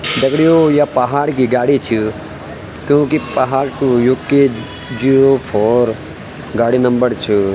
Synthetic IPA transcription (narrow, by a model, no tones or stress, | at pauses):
d̪ɐɡɽijojapɐɦaːɾk̬iɡaːɽit͡ʃʰi | kjõːkipɐɦaːɾkũjukːe | d͡ʒioːpʰoːɾ | ɡaːɽinɐ̃mbəɾt͡ʃʰi